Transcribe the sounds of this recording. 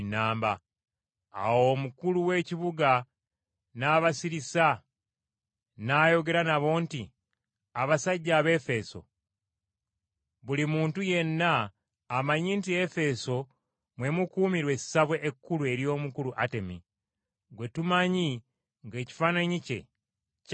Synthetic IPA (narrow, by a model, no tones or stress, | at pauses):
nːaːmba | a̰wo̞mukuluwe̞ciβuɡa | naːβasiɾisa | naːjo̞ɡe̞ɾanaβo̞ːnti | aβasaɟːaːβe̞fe̞so̞̰ | βulimuːntuje̞nːaː | maɲiːntie̞fe̞so̞ | mwe̞mukuːmiɾwe̞i̥saβwe̞ʔːkːulue̞ɾijo̞ːmukuluʔate̞mḭ | ɡwe̞tumaɲi | ŋɡe̞ːci̥faːnaɲice̞̰